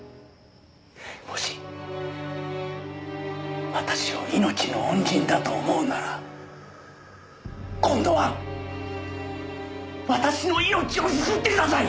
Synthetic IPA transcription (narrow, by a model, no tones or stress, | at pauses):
mo̞ɕi̥ | βat̪aɕiβa̰ino̞t͡ɕino̞õɲd͡ʑĩnd̪at̪oːmo̞ɯnaɾa | kõ̞nd̪o̞βa | βat̪aɕino̞ino̞t͡ɕio̞sɨsɨt̪ːekɾasai